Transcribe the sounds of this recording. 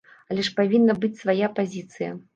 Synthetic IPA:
ɐlʲɛʂpavʲinːɐbɨt͡sʲsvajapazʲit̪sɨjɐ̰

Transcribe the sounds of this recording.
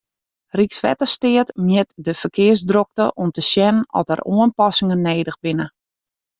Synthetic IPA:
riksʋɛ̰təstɪətmjɪtdəfərkʰɪəsdrok̚təʔɔmtəsjɛnənɔ̰tə̰rʔuənpɑsɪŋənːeːdəxbɪnə

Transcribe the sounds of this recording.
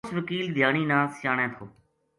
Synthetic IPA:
sʋəkiːld̪ʱjaːɳiːnãːsʃaːɳẽːt̪ʰoː

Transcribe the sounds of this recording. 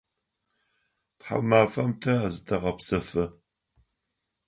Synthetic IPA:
pħa̰maːfɐmtʰɐazɨdɐʁɐpsɐfɨ

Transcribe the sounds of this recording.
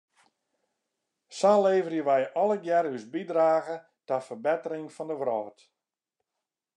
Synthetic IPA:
saːleːvərjəʋɛjɔlˠəɡjɛɾysbidraːɣə | tafərbɛtəɾɪŋfɔndəʋrɔːt

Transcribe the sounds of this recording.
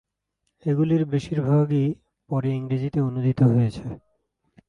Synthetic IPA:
eɡuliɾbeʃiɾbʱaɡi | pɔɾeiŋɾid͡ʑit̪eonud̪ʱit̪oɦoet͡ɕʰe

